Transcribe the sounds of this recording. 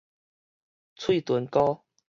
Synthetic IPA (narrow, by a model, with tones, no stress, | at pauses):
t͡sʰwi˥˨t̪wə˨˦nkɔ˦